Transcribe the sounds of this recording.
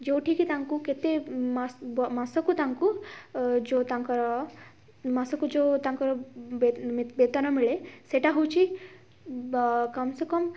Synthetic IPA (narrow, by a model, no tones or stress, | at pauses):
d͡ʒewʈʰikit̪aŋkuket̪emasbmasɔkut̪aŋku | d͡ʒot̪aŋkɔɾɔ | masɔkud͡ʒot̪aŋkɔɾebet̪anamiɭeseʈaɦuwt͡ʃʰi | kɐmsekɔm